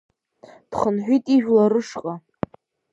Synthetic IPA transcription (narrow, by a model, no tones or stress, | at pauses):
d̥χənħᶣʷijtʼiʒᶣlaɾɨʂqʼa